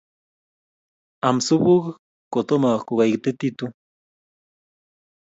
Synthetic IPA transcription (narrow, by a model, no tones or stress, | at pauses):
amsubuk | kot̪omakuɣajɡt̪et̪it̪u